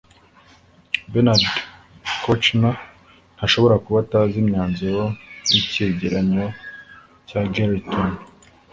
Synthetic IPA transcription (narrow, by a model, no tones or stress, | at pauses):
benaɾd | kot͡ʃna | n̥haʃo̞βo̞ɾakuβataːzimɲaːnzijoniceɟeɾaɲo | caɡeɾiton